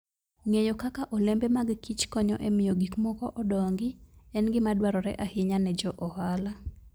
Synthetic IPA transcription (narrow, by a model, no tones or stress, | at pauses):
ŋejokakaʔɔlembemaɡkit͡ʃkɔɲɔʔemɪjoɡikmɔkɔʔɔdɔŋɡɪɛnɡɪmadwaɾɔɾɛ̰ʔahɪɲanɛd͡ʒɔʔɔhala